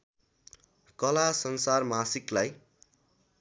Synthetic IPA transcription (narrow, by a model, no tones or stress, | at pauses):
kʌlasʌnsarmasiklaj